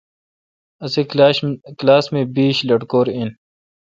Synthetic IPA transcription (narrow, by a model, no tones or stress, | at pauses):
ɐse | klaːsmẽːbiːɕlɐʈkoːɾin